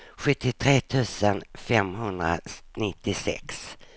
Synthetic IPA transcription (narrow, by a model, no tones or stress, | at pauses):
ɧɵt̪ːɪt̪ʰɾeːt̪ʰʉ̟ːsənfɛmɦɵnd̪ɾa̰nɪt̪ːɪsɛ̰ks